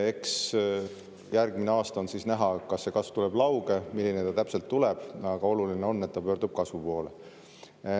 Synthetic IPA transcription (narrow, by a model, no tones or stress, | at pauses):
e̞ks | jærɡ̥mineɑːst̪ɑonsiːsnæɦɑkɑsːe̞kɑsv̥t̪ule̞b̥lɑwɡ̥e̞milːinet̪ɑt̪æpse̞lt̪ːuleb̥ɑɡ̥ɑo̞lulineo̞nːe̞t̪ːɑpø̞ːrɾd̪̥ub̥̚kɑsvupo̞ːle